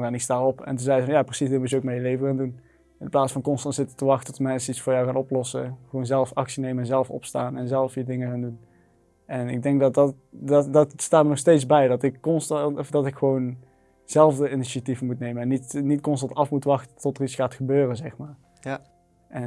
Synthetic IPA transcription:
ɛnɪkstaːrɔpɛ̰ntəzɛjəvɑnjaːprəsisdənmutəowk̚mɛjəlejvəɣaːndun | ɪnəplaːsfɑnkɔnstɑntsɪtə̥təʋɑxtətɔtəmɛnsəitsfʊːɹjɔwxaːnɔplɔsəχʋownzɛlˠfɑksinejməɛnzɛlˠəfɔ̰psta̰ːnɛnzɛlˠfidɪŋəxaːndun | ʔɛnɪɡ̚dɛŋk̚dɑtdɑt | ddɑtstaːməɹnɔxstejtzbɛjdɑtɪkːɔnstdɑtɪkxəʋown | z̥ɛlˠvdəiniʃativənmutnejməɛnːitnitkɔnstɑntɑfmutʋɑxtə̥tɔtəritsxaːtxəbøːrəzɛxmaːɹ | ʔɛn

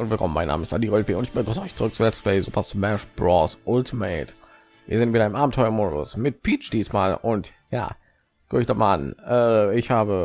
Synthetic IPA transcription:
ʊntvɪlkʰɔmnmaɪnːa̰ːməɪstʔadiːʁɔlfiʊntɪçb̥əɡʁʊsəʔɔʏçt͡suʁʏk̚t͡sulɛt͡stfɛzoːpʰast͡sumɛʃb̥ʁɔsʔʊltʰimeːt | viːɐzɪntviːdəɐɪmʔaːbm̩tʰɔʏɐmɔʁʊ̰smɪt̚pʰiːt͡ʃd̥iːsmaːlʔʊntja̰ː | ɡ̥eɪçd̥ɔχma̰ːlʔa̰nʔɛːɪçhaːbə

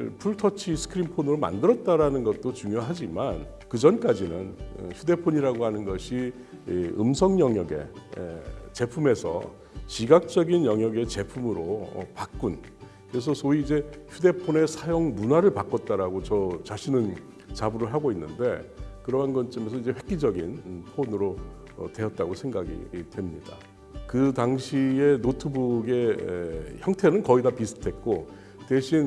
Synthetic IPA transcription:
pʰuɭtʰʌt͡ɕʰisʰɯ̥kʰɯɾinpʰonɯɾoma̰ndɯɾʌt̚t͈aɾanɯnɡʌt̚t͈ot͡ɕuŋjoɦad͡ʑiman | kɯd͡ʑʌnk͈ad͡ʑinɯn̰çʰude̞pʰoɲiɾaɡoɦanɯnɡʌɕʰi | ɯ̰msʰʌŋɲʌŋjʌɡe̞̰ | t͡ɕe̞pʰume̞sʰʌ̰ | ɕiɡak̚t͡ɕ͈ʌɡinjʌŋjʌɡe̞t͡ɕe̞pʰumɯɾoʌ̰pak̚k͈un | kɯɾes̬ʰʌsʰoiːd͡ʑe̞çjude̞pʰone̞sʰajoŋmunwaɾɯɭpak͈ʌt̚t͈aɾaɡot͡ɕʌt͡ɕaɕʰinɯn | t͡ɕabɯɾɯɭɦaɡoinːɯnde̞kɯɾʌɦanɡʌnt͡ɕ͈ʰʌmesʰʌid͡ʑe̞ɸwe̞k̚k͈id͡ʑʌɡinpʰonɯɾo | ʌ̰twe̞ʌt̚t͈aɡosʰe̞ŋɡaɡḭtwe̞mɲida̰ | kɯtaŋɕʰie̞notʰɯbuɡe̞ | çjʌŋtʰenɯnkʌidapisʰɯ̥tʰwe̞t̚k͈o | te̞ɕʰin

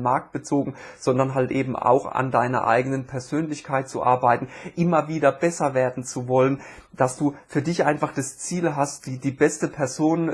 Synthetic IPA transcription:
maɐk̚t̚b̥ət͡soːɡŋ̩z̥ɔndɐnɦaltʔeːbm̩a̰ʊxa̰ndaɪnɐ̰ʔa̰ɪɡənənpʰɛɐzøːnlɪçkʰaɪt̚t͡sṵʔa̰ɐbaɪtn̩ʔɪmɐviːdɐbɛsɐveːɐdn̩t͡suvɔlən | d̥asd̥uːfyːɐdɪçʔaɪnfaχd̥ast͡siːlɦastd̥iːdiːbɛstəpʰɛɐzoːn

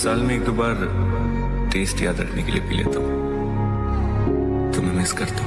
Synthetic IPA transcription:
saːlmẽeːkbaːɾ | ʈeːsʈja̰ːd̪ɾɐ̰kʰnekeliepilḛːt̪aɦũ | t̪omɛ̃mɪskɐɾt̪e

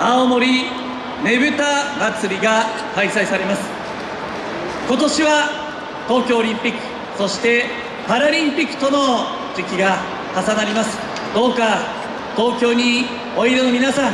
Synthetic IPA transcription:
aomo̞ɾʲi | ne̞bɯ̟t̪amat͡sɨɾʲiɡa | kaisaisaɾe̞masɨ̥ | ko̞t̪o̞ɕiβa | t̪o̞ːkʲo̞ːɾʲĩmpʲikːɯ̟̥ | so̞ɕi̥t̪e̞ | paɾaɾʲĩmpʲikːɯ̥t̪o̞no̞ | d͡ʑikʲiɡa | kasanaɾʲimasɨ̥ | d̪̥o̞ːka | t̪o̞ːkʲo̞ːɲ̟i | o̞iɾeno̞mʲinasãŋ

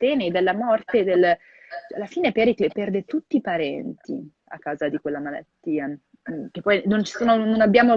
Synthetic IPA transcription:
t̪ɛːned̪elːamɔrt̪ed̪el | t͡ʃa̰lːafiːnepɛɾikepɛrd̪et̪ut̪ːiːpaɾɛnt̪ḭ | a̰kːaːzad̪ikwelːamala̰t̪ːiːa | k̟epːɔjnont͡ʃi̥soːnononabːjaːmo

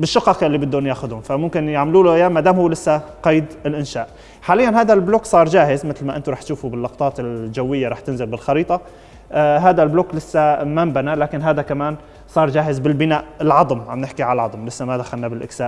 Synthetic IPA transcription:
bɪʃːɑqɑːqɪlːibɪd̪ːunjaːxʊd̪ʊnfamʊmkɪnjaʕmluːlʊʔjaːmːad̪aːmhʊːlɪsːaqɑjd̪ɪlʔɪnʃaːʔ | ħaːlɪjːanɦaːd̪albloːksˤɑːɾˤd͡ʒaːhɪzmɪt̪lmaʔɪnt̪ʊɾˤɑːħt̪ʃuːfubɪlːɑqt̪ˤɑːt̪ɪld͡ʒawːɪjːaɾˤɑːħt̪ɪnzɪlbɪlxɑɾiːt̪ˤɑ | ɦaːd̪albloːklɪsːamambanalaːkɪnɦaːd̪akamaːn | sˤɑːɾˤd͡ʒaːhɪzbɪlbɪnaːʔɪlʕɑd̪ˤmʕamnɪħkiʕaalʕɑd̪ˤmlɪsːamad̪axalnːabɪlʔɪ̰ksaːʔ

